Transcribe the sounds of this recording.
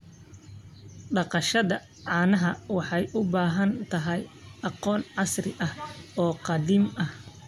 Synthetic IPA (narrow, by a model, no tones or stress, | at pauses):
ɖɑqɑʃɐðɐ | ʕɑːnɐɦɐwɑħɑjʔʊbaːɦɐnt̪ʰɐɦɛjʔɑqɔːnʕɑsrɪ̰ʔɐhɔːqɑðiːmɐh